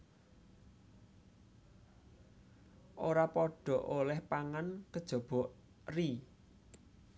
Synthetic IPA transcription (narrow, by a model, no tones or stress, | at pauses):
ʔoɾapɔɖ̥ɔ̤ʔolɛhpaŋankəd̥ʒ̥ɔ̤b̥ɔ̤ʔ | ri